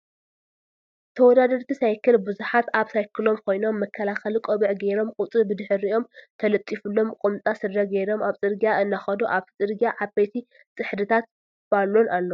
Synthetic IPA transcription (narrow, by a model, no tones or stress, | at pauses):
t̪ʰɐwɔd̪ad̪ɐɾt̪ʰisajkʰːɨlbɨzuħat̪aβsajkʰɨlo̞mkʰo̞jno̞mːɐkʰːɐlaxɐlikʼoβɨʕɡejɾo̞mkʼut͡s̪ʼɨbɨd̪ɨħɨɾio̞mt̪ʰɐlɐt̪ʼːifɨlːo̞mkʼumt̪ʼasɨd̪ɐɡejɾo̞maβt͡sʼɨɾɡijaʔɨnːaxɐd̪oʔaβʰit͡sʼɨɾɡijaʕabejt̪ʰi | sʼɨħd̪ɨt̪ʰat̪ | b̥alːonʔalːo